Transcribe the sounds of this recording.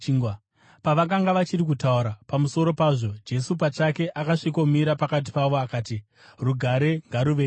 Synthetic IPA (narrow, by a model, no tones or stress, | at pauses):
ŋ | paʋakaŋɡaʋat͡ʃirik̬utauɾapamuso̞ɾo̞paːʐo̞d͡ʒe̞supat͡ʃake̞ʔakaʂiko̞miɾapakat̬i̥paʋo̞akaːti | ruɡʱaɾe̞ŋɡaɾuʋeː